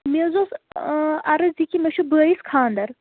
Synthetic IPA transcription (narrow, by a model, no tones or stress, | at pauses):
mezos | ɐɾɨzikimɐʃubəːjiskʰaːnd̪ɐɾ